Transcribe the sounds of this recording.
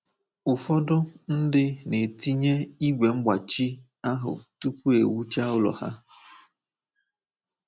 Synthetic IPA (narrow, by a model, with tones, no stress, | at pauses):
ʊ˨fɔ˦dʊ˦n̩˦dɪ˦ne˨ti˦ɲe˦i˦ɡʷe˨ŋ͡m̩˦ɡ͡ba˨t͡ʃi˦ | a˦ɦʊ̰˨tu˦kʷu˦ḛ˨wu˦t͡ʃa˦ʊ˦lɔ̰˨ha̰˦